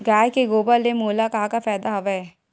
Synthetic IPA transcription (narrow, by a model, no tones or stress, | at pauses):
ɡɛːjkeɡoːbəlːemoːlakɐɦakafɛːd̪aɦɐʋɛɛ